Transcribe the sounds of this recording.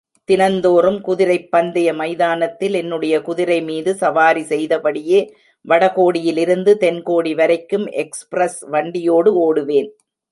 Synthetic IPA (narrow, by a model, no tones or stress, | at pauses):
t̪ɪnɐnd̪oːrɯmkʊðɪɾɐɪpːɐnd̪ɐjɐmɐɪðaːnɐt̪ːɪlɛnːɯɽɐjɐkʊðɪɾɐɪmiːðɯsɐʋaːɾisɛjðɐpɐɽɪjeː | ʋɐɽɐɣoːɽɪjɪlɪɾɯnd̪ɯt̪ɛnkoːɽiʋɐɾɐɪkːɯmʔɛkspɾɐsʋɐɳɖɪjoːɽɯoːɽɯʋeːn